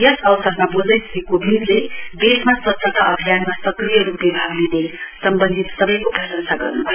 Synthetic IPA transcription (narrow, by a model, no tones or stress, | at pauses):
jʌsʌwsʌdmabod͡zʌjsʌ̥kekobʱid̪lebesmaswʌt̪ːʌt̪aʔʌbʱijanmasʌkrijʌɾuplebʱabnelesʌmbʌnd̪ʱit̪sʌbʌjkobʱʌsʌnsaɡʌ̰rnubʱʌjo